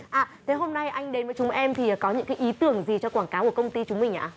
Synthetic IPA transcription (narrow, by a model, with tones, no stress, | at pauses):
ʔaː˨˩t̪ʰe˨˦ɦo˧mna˧jʔa˧jŋ̟ɗe˨˦nmvə˨˦jt͡ɕʊ˨˦ŋ͡mʔɛ˧mt̪ʰi˨˩˨kɔ˨˦ɲɨ̰˧˥ŋkaː˨˦jʔi˨˦t̪ɨ˧˩əŋzi˨˩t͡ɕɔ˧kwaː˧˩nkaː˨˦ku˧˩kə˧wŋ͡mt̪i˧t͡ɕʊ˨˦ŋ͡mmï˨˩ŋ̟ʔa̰ː˧˩